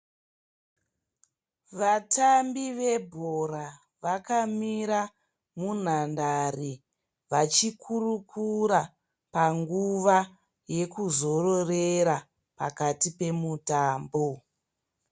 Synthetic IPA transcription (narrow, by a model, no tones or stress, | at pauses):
ʋatʰambiʋe̞bʱora | ʋakamiɾa | mun̤andari | ʋat͡ʃikʰurukʰuɾa | paŋɡuʋa | je̞kuzo̞ro̞reɾa | pa̰katipe̞mutaːmbo